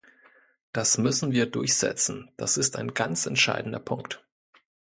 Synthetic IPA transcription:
d̥asmʏsn̩viːɐdʊɐçz̥ɛ̰t͡sn̩d̥a̰sɪstaɪnɡant͡sɛntʃa̰ɪdn̩dɐpʰʊŋkt

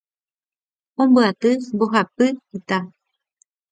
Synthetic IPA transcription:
õmbɨat̪ɨmboɦapɨit̪a

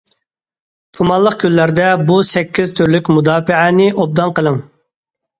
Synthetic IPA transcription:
kʰumɑlˠːəq̚kʲʰylːæɾd̪ɛbusɛkʲːiz̥t̪ʰyɾlykʲmud̪ɑːpɪʕænɪʔob̚d̪ɑnqəlˠɨm

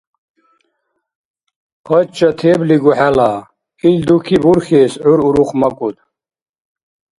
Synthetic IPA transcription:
pɐt͡ɕɐt̪ʰeːbliɡuħala | ild̪ukʰibuɾxeːsʕuɾuɾuχmɐkʼut̪̚

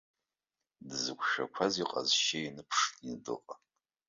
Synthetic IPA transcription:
dɨzɨɡʷʃᶣɐ̰kʷʰaziqʼɐzʃejnɨpʰʂinɨdɨ̰qʼɐ

